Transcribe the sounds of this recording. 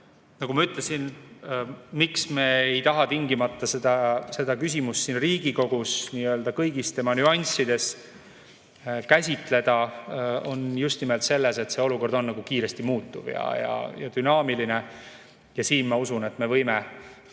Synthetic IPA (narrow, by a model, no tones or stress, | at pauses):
nɑɡ̥umɑyt̪ˑlesin | miksmeːejt̪ɑɦɑt̪iŋɡimɑt̪ˑːɑsed̪̥ɑse̞d̪̥ɑkys̬ʲimust̪ːiːnriːɡ̥iko̞ɡ̥usniːø̞ːld̪̥ɑkɤjɡ̥ist̪e̞mɑnyɑnʲsid̪̥e̞s | kæsʲit̪ˑle̞d̪̥ɑ | o̞njust̪nimelt̪se̞lːe̞se̞t̪se̞o̞luko̞rd̪̥o̞nːɑɡ̥ukiːɾe̞st̪imuːt̪ːˑuv̥jɑ̰jɑ̰jɑ̰d̪̥ynɑːmiline̞ | jɑsiːnmɑusune̞t̪me̞vɤjme